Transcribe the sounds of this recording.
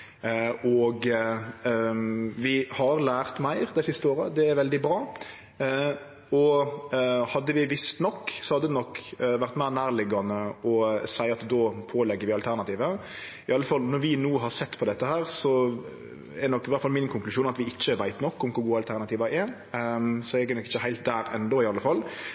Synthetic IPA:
ɔɡ | ʋɪhɑɾlæːɾt̪mæɪɾd̪æɪsɪst̪əoːɾəd̪ɛæɾʋɛld̪ɪbɾɑː | ɔ | hɑd̪ːəʋɪʋɪst̪nɔkːsɔhɑd̪ːəd̪ɛnɔkːʋæɾt̪mæɪɾnæːɾlɪɡɑnəɔsæɪɑt̪d̪oːpʰoːlɛɡːəɾʋɪɑlt̪ʰæɾnɑt̪iːʋə | ɪɑlːəfɑlnɔɾʋɪnuːɦɑɾsɛt̪ːpʰɔd̪ɛt̪ːəhæːɾsɔ | ɛdɛnɔkːɪʋæɾt̪fɑlmɪnkʰʊŋklʉʃuːnɑt̪ʋɪɪt͡ʃːəʋæɪt̪nɔkːʊmkʊɾɡuːəɑlt̪ʰæɾnɑt̪iːʋɑʔɛ | sɔɛɡɛnɔkɪçt͡ʃːəhæɪlt̪̚d̪æːɾɛ̰nd̪oɪɑlːəfɑlː

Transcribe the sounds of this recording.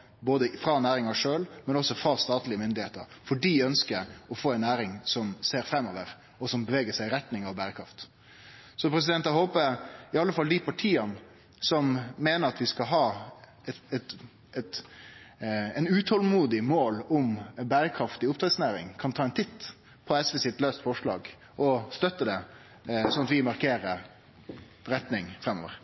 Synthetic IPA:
boːd̪əfɾɑnæːɾɪŋɑʂøːlmɛnɔsːɔfɾɑst̪ɑːt̪lɪəmʏnd̪ɪheːt̪ə̰ɾfɔɖiːœnskəɾɔfoːɛɪnːæːɾɪŋsɔmseːɾfɾɛmːɔːʋəɾ | ɔsɔmbəʋeːɡəsæɪɾɛt̪nɪŋɑʋbæːɾəkʰɾɑft̪ | sɔpʰɾɛs̬ɪd̪ɛnt̪ɑhoːpəɾɪɑlːəfɑld̪ɪpʰɑʈʰiːɑn | sɔmːeːnəɾɑt̪ʋɪskɑɦɑː | ɛt̪ | ɛt̪ | ɛɪnʉːt̪ʰɔlmuːd̪ɪmoːlʊmbæːɾəkʰɾɑft̪ɪʊpt̪ɾɛd̪snæːɾɪ̰ŋkʰɑnt̪ʰɑːɛnt̪ʰɪt̪ː | pʰɔɛsʋɛsɪt̪løːst̪fɔʂɭɑ̰ːɡ | ʔɔst̪œt̪ːəd̪ɛ | sɔnɑt̪ʋɪmɑɾkʰeːɾə | ɾɛt̪nɪŋfɾɛmːo̰ːʋə̰ɾ

